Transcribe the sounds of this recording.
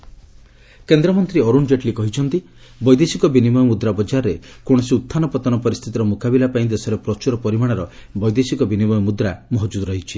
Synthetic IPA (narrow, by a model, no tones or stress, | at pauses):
kend̪ɾɔmɔnt̪ɾiɔɾund͡ʒeʈlikɔɦit͡ʃʰɔnt̪i | bɔjd̪esikɔbinimɔjɔmud̪ɾabɔd͡ʒaɾɔɾekoɽ̃ɔsiut̪ʰːanɔpɔt̪ɔnɔpɔɾist̪ʰit̪iɾɔmukabilapaĩd̪esɔɾepɾɔt͡ʃuɾɔpɔɾimaɽ̃ɔɾɔbɔjd̪esikɔbinimɔjɔmud̪ɾamɔɦɔd͡ʒud̪ɔɾɔɦit͡ʃʰi